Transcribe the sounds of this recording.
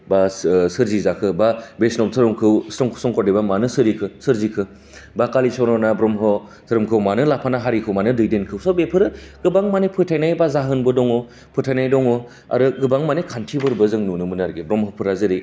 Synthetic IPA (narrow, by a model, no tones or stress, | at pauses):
basɯɾzizakʰɯbabesnɔptʰɯɾɯmkʰɯwsɔŋkʰstɔŋkɔɾibamanɯsɯɾikʰɯsɯɾzikʰɯ | bakalisɔwnɔnabɾɔmɦɔ | tʰɯɾɯmkʰɯwmanɯlapʰanaɦaɾikʰɯwmanɯdɯjdenkʰɯwsɔbepʰɯɾɯɡ̥ɯbaŋmanepʰɯtʰajnajbazaɦɯnbɯdɔŋɔ | pʰɯtʰajnajdɔŋɔ | a̰ɾɯɡɯbaŋmanekʰantʰibɯɾbɯzɯŋnunɯmɯnaɾɡebɾɔmɦɔpʰɯɾazɯɾi